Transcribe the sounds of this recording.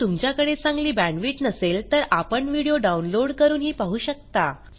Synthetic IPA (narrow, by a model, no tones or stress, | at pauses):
t̪umt͡ɕjakəɽet͡sãŋɡliːbænʋiːʈnəselt̪əɾʔapəɳʋiɽijoɖaunloɽkəɾuːnɦiːpaɦuːɕək̚t̪a